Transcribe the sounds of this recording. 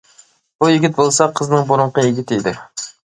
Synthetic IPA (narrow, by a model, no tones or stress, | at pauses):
b̥ujɪɡʲɪt̪̚bolˠsɑqʰəznɨŋbuɾʊɴqʰəjɪɡʲit̪ʰɪid̪ɪ